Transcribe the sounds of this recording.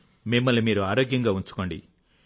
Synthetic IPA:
mimːɐlimiːɾuaːɾoːɡjɐŋɡaːuɲt͡ʃu̥ko̞ːɳɖḭ

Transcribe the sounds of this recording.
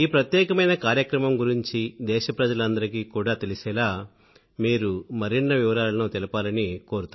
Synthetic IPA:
iːpɾɐt̪jɛːkɐmɐjnɐkaːɾjɐkɾɐmɐmɡuɾiɲt͡ʃid̪ɛːʃɐpɾɐd͡ʒɐlɐnd̪ɐɾikiːkuːɽaːt̪elisɛːlaː | miːɾumɐɾinːɐʋiʋɐɾaːlɐnut̪ɛlɐpaːlɐniko̞ːɾut̪u

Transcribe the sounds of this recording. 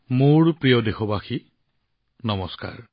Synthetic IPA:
muɹpɹijɔdexɔbaxi | nɔmɔska̰ɹ

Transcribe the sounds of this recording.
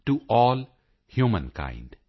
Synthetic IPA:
ʈuʔɔːl | hjuːmə̃nkã̰ɪ̃ɳɖ

